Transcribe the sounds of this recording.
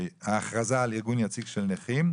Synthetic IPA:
jhaːχʁazaːliʁɡunjat͡siɡʃelneχim

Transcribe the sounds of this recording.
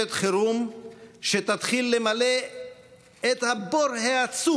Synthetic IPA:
et̪χeɾumʃet̪at̪χilːemale | t̪haboɾhaat͡su

